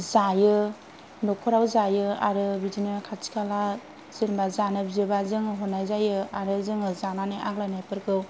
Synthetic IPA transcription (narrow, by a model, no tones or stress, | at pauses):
zajɯ | nɔkʰɔɾawzajɯa̰ɾɯbidinɯkʰat͡ʃi̥kʰala | z̥enbazanɯbizɯbazɯŋɯɦɔnajzajɯaɾɯzɯŋɯzamanɯʔaklanajpɯɾkʰɯw